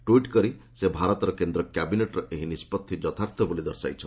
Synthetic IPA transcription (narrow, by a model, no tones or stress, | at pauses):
ʈuiʈkɔɾi | sebʱaɾɔt̪ɔɾɔkend̪ɾɔkjabineʈɾɔʔeɦinispɔt̪ʰːid͡ʒɔt̪ʰaɾt̪ʰɔbulid̪ɔɾsa̰jt͡ʃʰɔn